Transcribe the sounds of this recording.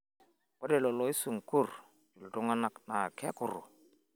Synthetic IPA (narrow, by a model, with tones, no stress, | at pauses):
w̥ɔ˦dɛ˨lɔ˨lɔ˨˦i˦su˨ŋ˨ku˦˨r | d͡ʒu˨ldʊ˦ŋa˦na˨kna˨kɛ˦kʊ˨ɾʊ̰˨